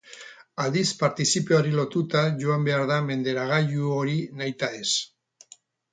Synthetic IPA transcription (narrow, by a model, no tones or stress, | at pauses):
ald̪ispaɾt̪isipeaɾilo̞t̪ut̪aʝo̞ambe̞aɾðame̞nd̪e̞ɾaɣ̞aʎuo̞ɾinajt̪ae̞s